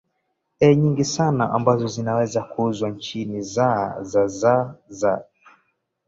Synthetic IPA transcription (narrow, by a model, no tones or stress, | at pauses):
ɛɲiŋɡisanaʔambazɔzinawɛzakuzwant͡ʃinizazazaza